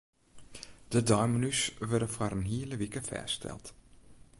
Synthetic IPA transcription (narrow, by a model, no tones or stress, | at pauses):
d̥ədɔjmənysʋɛrdəfaɾənɦiːələʋikəfɛ̰ːstʰɛ̰lˠt